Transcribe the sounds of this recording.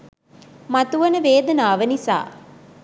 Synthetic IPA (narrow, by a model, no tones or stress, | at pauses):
mɐt̪uʋɐnəʋeːd̪ɐnaːʋənisa̰ː